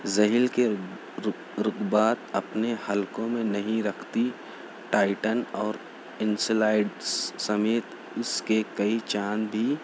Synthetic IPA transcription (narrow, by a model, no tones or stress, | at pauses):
zɐɦilke | ɾʊɡbaːt̪ɐpnehəlkõmẽnɐɦĩɾɐkʰt̪i | ʈaːɪʈənɔːɾ | ɪnslaːɪɖsɐmeːt̪ | ʊskekɐit͡ʃaːnbʱi